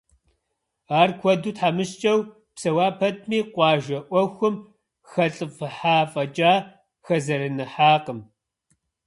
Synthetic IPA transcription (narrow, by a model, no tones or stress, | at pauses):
aːrkʷʰɔduːtħaːmɨɕt͡ʃʼɐw | psɐwaːpʰɐt̚ʰmiːqʷɑːʒɐʔʷɔxʷʊm | xɐɬʼɨfɨħaːfʼɐt͡ʃʼaː | xɐzɐɾɨnɨħaːqəm